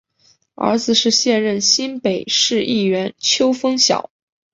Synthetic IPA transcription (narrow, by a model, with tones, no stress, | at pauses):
ə̰˧˥d͡zɹ̩˨˩ʂɻ̩˥˧ɕjɛ˥˧nɻə˥˩nɕi˥npe˨˩ɪʂɻ̩˥˧i˥˩ɥɛ˧˥nt͡ɕʰjo˥ʊfɤ˥ŋɕjɑ̰˨˩˦ʊ